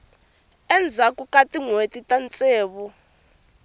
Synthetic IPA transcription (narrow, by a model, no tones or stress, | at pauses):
ɛnd͡zʱakukʼatʼiŋwetʼitʼant͡sʼeːβu